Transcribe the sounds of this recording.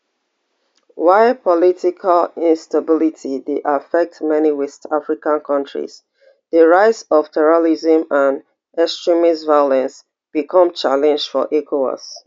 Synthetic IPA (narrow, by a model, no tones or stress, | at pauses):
waɪpʰɔlitikʰalĩnstabilitʰideʔafɛk̚tmɛniwɛstafɹikãnkʰɔ̃ntɹḭs | ðəɹaɪtsɔv̥tʰɛɹolizə̃mãn | ɛkstɹimisvaɪɔlɛ̃ns | b̥ikʰɔ̃mt͡ʃalɛ̃nd͡ʒdfɔ̰ʔɛkʰoɔ̰s